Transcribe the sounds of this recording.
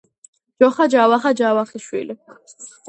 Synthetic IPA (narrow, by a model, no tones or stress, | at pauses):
d͡ʒɔχad͡ʒawaχad͡ʒawaχiʃwḭli